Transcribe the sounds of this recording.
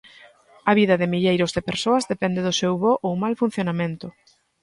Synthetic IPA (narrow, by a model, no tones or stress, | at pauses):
ɐβiðɐðɪmiʎejɾʊzðɪpeɾsoɐzðepɛnd̪eðʊsewβoʔowmalfun̟θjonamẽnt̪ʊ